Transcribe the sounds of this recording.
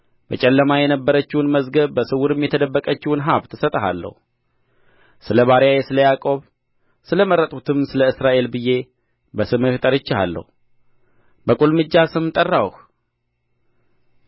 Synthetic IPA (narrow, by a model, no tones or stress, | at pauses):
bət͡ʃʼɛlːəmajɛnəbːəɾət͡ʃːɪwnməzɡəβbəsɨwuɾɨmjɛt̪ʰəd̪əbːəkʼət͡ʃːɪwnɦaβt̪ʰːɨsət̪ʼəɦa̰lːə̰hu | sɨləβaɾjajesɨləjakʼo̞β | sɨləməɾːət̪ʼut̪ʰɨmsɨləɨsɾaʔe̞lbɨje̞ | bəsɨmɨft̪ʼəɾɪt͡ʃːɪha̰lːə̰hu | bəkʼulmɨd͡ʒːasɨmt̪ʼərːawh